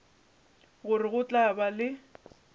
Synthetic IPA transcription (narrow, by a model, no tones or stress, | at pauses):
ɣʊrɪɣʊt͡ɬʼabalɪ